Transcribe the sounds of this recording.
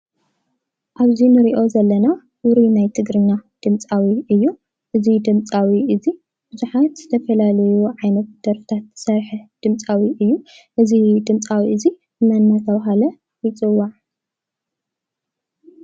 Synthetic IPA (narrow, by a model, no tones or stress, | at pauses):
ʔaβzinɨɾiʔo̞zɐlːɐna | ɾinajt̪ʰɨɡɾɨɲːad̪̥ɨmt͡sʼawiʔɨjːu | ʔɨzid̪ɨmt͡sʼawiʔɨzi | b̥ɨzuħat̪z̥ɨt̪ʰɐfɐlalɐjuʕajnɐt̪̚d̪̥ɐɾfɨ̥t̪ʰat̪sɐɾħd̪̥ɨmt͡sʼawiʔɨjːu | ʔɨzid̪ɨmt͡sʼawiʔɨzi | ɨmɐnːat̪ʰɐβaɦalɐ | jɪt͡sʼɨwːaʕ